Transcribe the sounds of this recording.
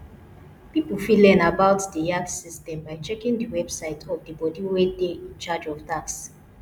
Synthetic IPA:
pipl̩filɛ̃nabaʊtdəjaksistɛ̃mbaɪt͡ʃɛkĩŋdəwɛbsaɪtʰɔvd̪əbɔdiwɛdeĩnt͡ʃad͡ʒɔvtaks

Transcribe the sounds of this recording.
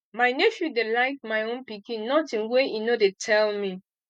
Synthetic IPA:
maɪneʃjudelaɪk̚majõnpikĩnːɔtĩnweinodetʰɛlmi

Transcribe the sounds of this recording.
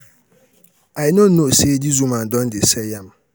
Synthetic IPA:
ajɪnõn̩nʊ̃sedizumãn̩dɔ̃ndɪsɛjãm

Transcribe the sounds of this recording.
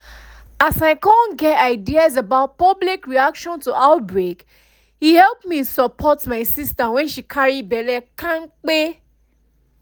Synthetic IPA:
asaɪkãnɡɛtaɪdiazabaʊt̚pɔblikɹiakʃɔ̃ntuʔaʊt̚bɹek | hihɛlpmisɔpʰɔtmaɪsistawɛ̃nʃikʰaɹibɛlɛkãnk͡pe

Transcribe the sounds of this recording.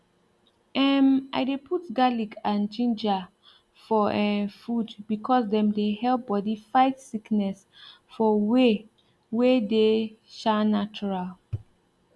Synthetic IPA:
ɛma̰ɪdepʰutɡaliɡãnd͡ʒĩnd͡ʒa | fɔʔɛfudbikʰɔsdɛ̃mdehɛlp̚bɔdifaɪtsiknɛs | fɔwe | wedeʃanat͡ʃɔɹal

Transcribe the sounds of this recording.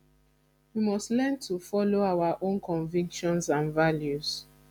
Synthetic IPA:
wimɔstlɛntʰufɔloawaʔõnkʰɔ̃nvĩŋkʃɔ̃nsãnvaljuz̥

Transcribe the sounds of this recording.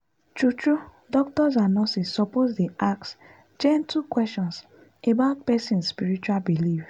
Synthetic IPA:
t͡ʃut͡ʃu | dɔk̚tɔs̬anɔ̃sisːɔpozdeaks | d͡ʒɛ̃ntʰukwɛstɔ̃ns | ebaʊt̚pɛsĩnspiɾit͡ʃualbilif

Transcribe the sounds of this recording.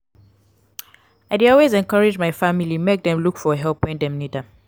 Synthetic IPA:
aɪdeɔlwezɛ̃nkaɹɪd͡ʒmaɪfamilimek̚dɛ̃mlukfɔɦɛlˠpɔ̃ɪ̃ndɛ̃mnidə

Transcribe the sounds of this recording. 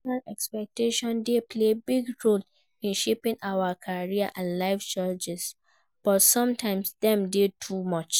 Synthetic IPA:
ãnɛkspɛk̚teʃɔ̃ndepʰlebiɡɹol | ĩnʃepĩŋʔawakʰaɹiaʔãnlaɪft͡ʃad͡ʒɛs | b̥ɔtsɔ̃mtʰãɪ̃msdɛ̃mdetʰumɔt͡ʃ

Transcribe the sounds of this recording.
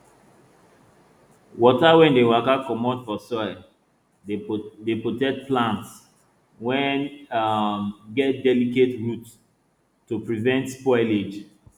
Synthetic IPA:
wɔtawɛ̃ndewakakɔmɔtfɔsɔɪ | depotɛk̚t̚plãnts | wɛ̃n | mɡɛt̚dɛliketɹutː | upɹivɛ̃ntspɔɪled͡ʒ

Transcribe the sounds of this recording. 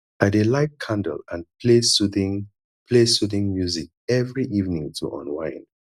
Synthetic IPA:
adelaɪt̚kʰãndə̰lãnpʰlesutĩŋ | pʰlesutĩŋmjuzik̚ɛvɹiʔivnĩŋtʰṵʔɔ̰̃nwãɪ̃n

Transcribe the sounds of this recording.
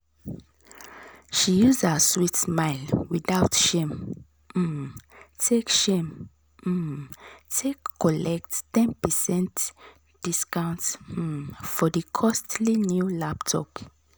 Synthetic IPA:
ʃijuzdəswitsmaɪlwiðaʊtʃẽm̩ | tʰekʃẽm̩ | tʰekːɔlɛk̚ttɛ̃npəsɛ̃nt | d̥iskãʊ̃nt̩ | fɔdəkʰɔstlinjulaptʰɔ̰p

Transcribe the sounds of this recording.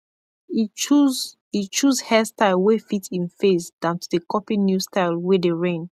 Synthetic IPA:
it͡ʃuzhɛstaɪlwefitʰĩnfesd̥ãʊ̃ntʰudekʰɔpĩnjustaɪlwedeɹẽn

